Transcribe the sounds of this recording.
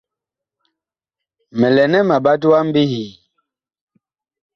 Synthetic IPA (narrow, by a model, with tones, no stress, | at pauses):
mɛ˨lɛ˨nɛ˦ma˨ba˦t̬u˦wa˦m˦bi˦hiː˨